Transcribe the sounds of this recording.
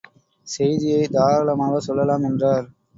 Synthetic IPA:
sɛjðɪjɐɪd̪aːɾɐɭɐmaːɣɐsɔlːɐlaːmɛndraːɾ

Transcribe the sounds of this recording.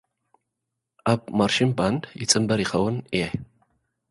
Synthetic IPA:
aːbmarʃɪmbandjɪt͡sʼɨmbɐɾiχɐwʊneħ

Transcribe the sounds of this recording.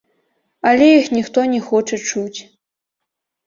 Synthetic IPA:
ɐlʲɛjixnʲixt̪ɔnʲɛxɔt͡ʂɐt͡ʂut͡sʲ

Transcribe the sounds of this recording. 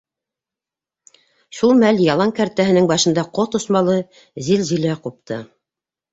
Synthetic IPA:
ʃulˠmæljɑlˠɑŋkæɾt̪æɦɘ̆nɘŋbɑʃɤ̆nd̪ɑqot̪ŏsmɑlˠɤ | zilʑilæqup̚t̪ɤ

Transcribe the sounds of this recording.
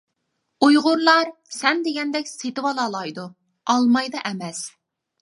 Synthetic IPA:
ujʁʊɾlˠɑɾsɛnd̪eɡʲɛnd̪ɛkʲset̪ɨwɑlˠɑlˠɑjd̪u | ɑlˠmɑjd̪ɑʔɛmɛs

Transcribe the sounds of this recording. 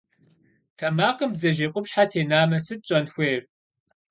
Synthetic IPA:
tʰɐmaːqəmbzɐʒeqʷʼʊpɕħatʰeːnaːmɐsɨt̚ɕʼɐnxʷeːr

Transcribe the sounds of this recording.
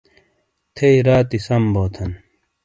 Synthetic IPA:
t̪ʰeiɾaːt̪isɐmboːt̪ʰɐn

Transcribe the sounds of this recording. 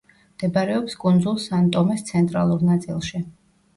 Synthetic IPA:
md̪̥ɛbaɾɛɔpskʼund̪zulˠsant̪ʼɔmɛst̪sʰɛnt̪ʼɾa̰lˠuɾnat̪sʼḭlˠʃi

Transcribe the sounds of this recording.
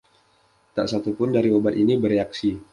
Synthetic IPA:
t̪aʔsat̪upʊndaɾiobat̪inibəɾeaksi

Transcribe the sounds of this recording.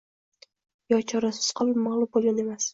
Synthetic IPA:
jɒt͡ʃʰɒɾasɪ̥z̥qʰɨlˠɪpmalˠʊmbolˠɡʲane̞mas

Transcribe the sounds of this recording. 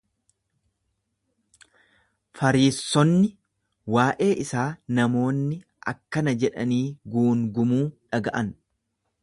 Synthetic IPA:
fɐɾiːsːɔnːɪ | waːʔe̞ːʔɪsaːnɐmo̞ːnːɪ | ʔɐ̰kːɐnɐd͡ʒɛᶑɐniːɡuːŋɡʊmuːᶑɐɡɐʔɐn

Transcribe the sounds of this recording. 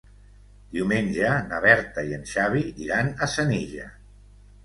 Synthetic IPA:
d̪̥iwmenʲʒənaβ̞ɛɾt̪aiənʃaβ̞iḭɾanəsəniʒa̰

